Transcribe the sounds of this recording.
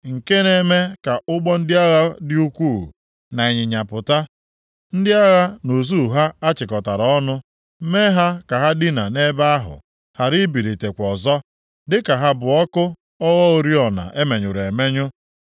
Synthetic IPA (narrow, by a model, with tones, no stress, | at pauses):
ŋ̩˨ke˦ne˦me˦ka˨ʔʊ˦ɡ͡bɔ˦n̩˦dɪ˦a˦ɣa˦dɪ˦u˦kʷṵ˦˨ | na˨e˨ɲɪ˨ɲa˨pʊ˨ta˦ | n̩˦dɪ˦a˦ɣa˦no˨zu˦˨ɦa˦a˦t͡ʃɪ˨kɔ˨ta˨ɾɔ˦nʊ˦ | me˦ɦa˦ka˨ɦa˦dɪ˦na˨ne˦ba˦a˦ɦʊ̰˨ | ha˨ɾi˦bi˨ɾi˨te˨kʷɔ˨zɔ˦ | dɪ˦ka˨ɦa˦bʊ˨ɔ˦kʊ˦ | ɔ˦ɣɔ˦o˨ɾi˦ɔ˨na̰˨ʔe˦me˨ɲʊ˨ɾe˨me˦ɲʊ˦